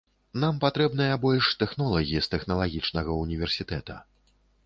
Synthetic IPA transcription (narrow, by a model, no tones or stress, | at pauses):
nampat̪ɾɛbnɨjɐbɔlʲʂt̪ɛxnɔlˠɐɣʲist̪ɛxnɐlˠaɣʲit͡ʂnɐɣɐunʲivʲɛrsʲit̪ɛt̪ɐ